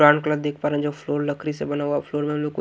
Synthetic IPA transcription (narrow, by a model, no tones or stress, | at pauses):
ɾaːnkləbd̪eːk̚ʰpaːɾẽɛ̃d͡ʒoːfʰloːɾlɐkʰɾisebɐnaːwafʰloːɾmẽmloko